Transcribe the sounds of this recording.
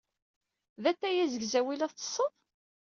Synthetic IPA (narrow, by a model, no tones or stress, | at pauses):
ðæt̪ːæjæzəɡzæwilæðə̥sˤːəðˤ